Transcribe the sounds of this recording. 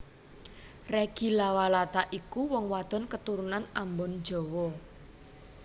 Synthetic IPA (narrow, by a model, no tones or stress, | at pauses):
reɡ̥i̤lawalat̪aʔikuwɔŋwad̪̥ɔ̤nkət̪uɾunanambɔn̥d͡ʒ̥ɔ̤wɔ